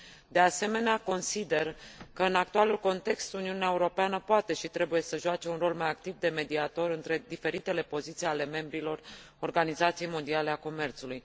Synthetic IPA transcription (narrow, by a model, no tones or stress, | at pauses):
d̪e̞ase̞me̞neako̞nsid̪e̞rkəɨnak̚t̪ualulko̞nt̪e̞kst̪uniuneaeuɾo̞peanəpoat̪e̞ʃit̪ɾe̞buje̞səʒuat͡ʃe̞unro̞lmajak̚t̪ivd̪e̞me̞d̪iat̪o̞ɾɨnt̪ɾe̞d̪ife̞ɾit̪e̞le̞po̞zit̪sijale̞me̞mbɾilo̞r | o̞rɡanizat̪sijejmo̞nd̪iale̞ako̞me̞rt̪suluj